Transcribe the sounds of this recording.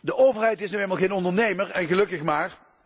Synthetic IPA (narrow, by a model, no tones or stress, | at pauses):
dəʔowvərɦɛjtɪsnyejlˠmalˠɣejnɔndərnejməɹɛnɣəlɵkəχmaːr